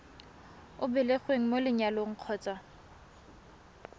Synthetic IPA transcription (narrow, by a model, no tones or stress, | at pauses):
ʊbɪleχweŋ̩molɪɲaloŋ̩q͡χʰɔːt͡sʼa